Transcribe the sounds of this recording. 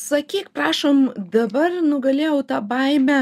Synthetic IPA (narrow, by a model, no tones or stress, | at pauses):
sɐkʲiːkpɾɑːʃomd̪ɐbɐrnʊɡɐlʲeːjɛʊt̪ɑːbɐɪmʲɛ